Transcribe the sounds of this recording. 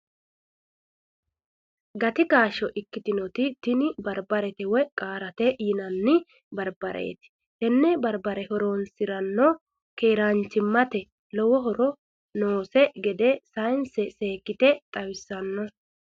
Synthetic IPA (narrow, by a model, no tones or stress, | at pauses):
ɡɐt̪ɪkaːʃɔʔɪkːɪt̪ɪnɔt̪ɪt̪ɪnɪbɐɾbɐɾɛt̪ɛwɛkʼaːɾɐt̪ɛjɪnɐnːɪ | bɐɾbɐɾʔḛːt̪ɪ̥ | hɛnːɛbɐɾbɐɾɛhɔɾonsɪɾɐnːɔ | keːɾant͡ʃːɪmːɐt̪ɛ | lɔwɔɦɔɾɔ | noːsɛɡɛd̪ɛsɐjnsɛseːkːɪt̪ɛt̪ʼɐwɪsːɐnːɔ